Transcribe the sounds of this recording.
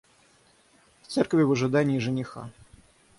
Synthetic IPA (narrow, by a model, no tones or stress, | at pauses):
ft̪sɛrkvʲɪvɨʐɨd̪anʲiːʐɨnʲɪxa̰